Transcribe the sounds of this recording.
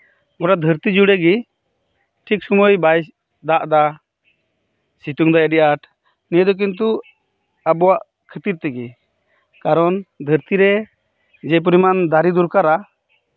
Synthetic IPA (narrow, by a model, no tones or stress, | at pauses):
ɡɔɽad̪ʱəɾt̪id͡ʒuɽɛɡi | ʈʰik̚sɔmɔjbaj | d̪aʔd̪a | sit̪uŋd̪aɛɖiʔaʈ | nijəd̪ɔk̬int̪̬u | abɔwaʔ | kʰət̪iɾt̪ɛɡi | kaɾɔnd̪ʱəɾt̪iɾɛ | d͡ʒɛp̬uɾimand̪aɾid̪uɾkaɾa